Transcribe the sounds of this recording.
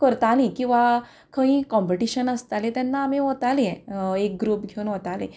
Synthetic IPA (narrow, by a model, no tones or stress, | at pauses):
kəɾt̪alĩkĩw̃ʋa | kʰə̃ĩkɔ̃mpeʈiɕənast̪alet̪ɛnːaːmẽɦɔt̪aleɛ̃ek̚ɡɾupɡʱeunɦɔt̪alḛ̃